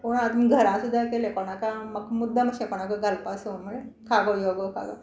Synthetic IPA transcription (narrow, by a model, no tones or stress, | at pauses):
poɽ̃ad̪mɡʱəɾãsud̪ʱːakelekoɽ̃akaməkmud̪ʱːaməɕẽkoɽ̃akaɡəlpasəmuɭekʰaɡojoɡokʰa̰ɡo̰